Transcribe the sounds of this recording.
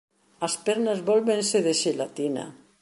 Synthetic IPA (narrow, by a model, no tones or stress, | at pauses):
aspɛɾnazβɔlβenseðeʃelat̪ina̰